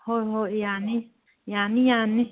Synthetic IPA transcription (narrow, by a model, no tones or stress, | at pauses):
hoɦoijanĩ | janĩjãnĩ